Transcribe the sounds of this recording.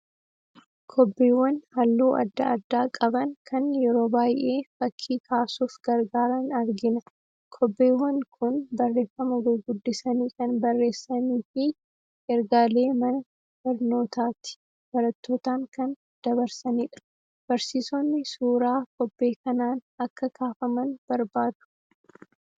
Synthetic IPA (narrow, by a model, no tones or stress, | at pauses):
kʰɔbːeːwːɐnhɐlːuːʔɐ̰d̪ːɐɐd̪ːaːkʼɐbɐŋkʰɐnjɛɾo̞ːbaːjʔe̞ːfɐkʰːiːkʰaːsuːfɡɐɾɡaːɾɐnɐɾɡɪnɐ | kʰɔbːeːwːɐnkʰʊnbɐrːe̞ːfːɐmɐɡʊɡʊd̪ːɪsɐniːkɐnbɐrːe̞ːsːɐniːfɪ | ʔɛɾɡaːle̞ːmɐnɐ | b̥ɐɾno̞ːt̪aːt̪ɪ̥ | b̥ɐɾɐt̪ːoːt̪aːŋkɐn | d̪̥ɐβɐɾsɐniːᶑɐ̥ | b̥ɐɾsiːsɔnːɪsuːɾaːkɔbːe̞ːkɐnaːnɐkːɐkʰaːfɐmɐnb̥ɐɾbaːd̪̥ʊ̥